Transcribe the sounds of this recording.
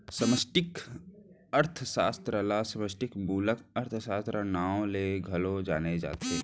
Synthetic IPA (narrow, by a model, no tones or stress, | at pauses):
səməsʈɪk | əɾt̪ʰəsaːst̪ɾəlasəməsʈɪkbuːləkəɾt̪ʰsaːst̪ɾənaːwleːɡʱɐlod͡ʒaːned͡ʒa̰ːt̪e